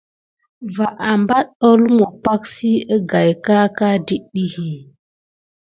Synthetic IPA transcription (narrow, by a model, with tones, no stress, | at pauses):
va˨ʔa˨mba˦t̚o˦lmo˨pa˦ksi˦ə˦ɡa˨jka˦ka˦di˦ɗi˦hi˨